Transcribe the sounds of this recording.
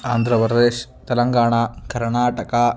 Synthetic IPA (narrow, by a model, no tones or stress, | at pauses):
aːnd̪ʱɾɐprd̪eːɕt̪ɐlɐŋɡaːɳakʰɐɾɳaːʈɐka